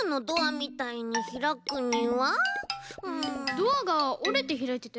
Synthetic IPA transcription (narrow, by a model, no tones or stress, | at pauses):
nod̪oamit̪aiɲiçiɾakɯɲiwa | ɯ̃d̪oaɡaoɾet̪eçiɾait̪et̪ːe